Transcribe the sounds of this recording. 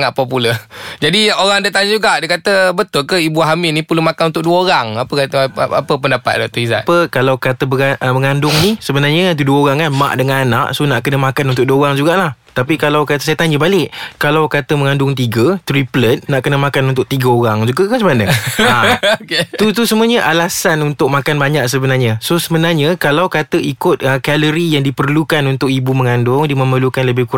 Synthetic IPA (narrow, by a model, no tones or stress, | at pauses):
ŋaʔpopuləd͡ʒadioɾaŋdət̪aɲəd͡ʒuɡaʔdəkat̪əbət̪ʊlkəibuaɦamɪnĩpəlumakanunt̪ʊk̚duəoɾaŋapəkat̪əa̰pəpəndapa̰t̪̚dɔʔ̚t̪ɔisa̰ʔpəkalawkat̪əbəɡaəməŋandʊŋnisəbənarɲət̪uduəoɾaŋkanma̰ʔdəŋanana̰ʔsonaʔkənəmakanunt̪ʊk̚duəoɾaŋd͡ʒuɡaʔlaht̪apikalawkat̪əsajət̪aɲəbalɪʔkalawkat̪əməŋandʊŋt̪iɡət̪ɾiplət̪̚naʔkənəmakanunt̪ʊʔ̚t̪iɡəoɾaŋd͡ʒuɡakməsəmanəa | t̪ut̪usəmuəɲəʔalasanunt̪ʊk̚makanbaɲaʔsəbənarɲasosəbənarɲəkalawkat̪əikʊt̪̚əkaləɾijaŋdipərlukanunt̪ʊk̚ibuməŋandʊŋdimə̃mərlukanləbɪhkuɾ